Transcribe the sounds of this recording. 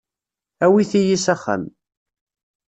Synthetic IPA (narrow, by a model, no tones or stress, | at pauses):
æwiθijisæχːə̰m